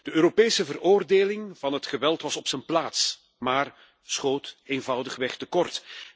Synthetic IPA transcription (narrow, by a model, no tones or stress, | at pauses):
d̥əøːɾopeːsəvəroːrdeːlɪŋvɑnɦətχəʋɛlˠtʋɑsɔpsənplaːts | maːr | sχoːtenvʌwdəχʋɛxtəkɔrt